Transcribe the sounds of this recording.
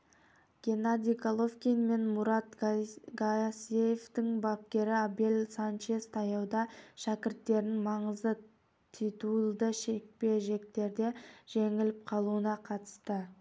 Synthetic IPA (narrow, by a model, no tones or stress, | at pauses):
ɡ̥ʲe̞nad̪ʲijɡolˠofkʲinme̞nmuɾɑt̪ɡasejeft̪ɪŋbɑp̚kʲe̞ɾɪabelsant͡ʃe̞st̪ʰɑjɑwd̪ɑʃækʲɪɾt̪ːe̞ɾɪŋmɑɴəzd̪ə | t̪ʰit̪ulˠd̪əʃe̞k̚pe̞ʒe̞k̚t̪e̞ɾd̪e̞ʒ̥e̞ŋɪlɪp̚qʰɑlˠuənɑqʰɑt̪ə̥st̪ə